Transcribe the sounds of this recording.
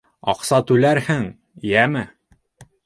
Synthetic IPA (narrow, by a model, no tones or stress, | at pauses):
ɑ̰qsɑt̪ʉlæɾhɘŋ | jæmɘ